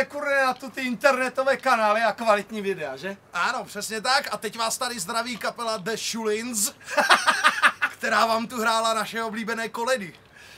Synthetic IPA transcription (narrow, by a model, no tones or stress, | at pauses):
ɛkuɾnɛnat̪ut̪ɪɪnt̪ɛɾnɛt̪ovɛːkanaːlɪakvalɪt̪ɲiːvɪdɛaʒɛʔano̞pr̥ɛsɲɛt̪akat̪ɛcvaːst̪adɪzd̪ɾaviːkapɛlad̪ɛʃulɪns | kt̪ɛɾaːvaːmt̪uɦɾaːlanaʃɛo̞bliːbɛnɛːko̞lɛdɪ